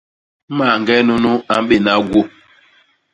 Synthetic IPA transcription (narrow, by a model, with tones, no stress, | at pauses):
ma˨ŋɡɛ˦no˦nu˦a˨m˦ɓe˦˨na˦ɡwo˦˨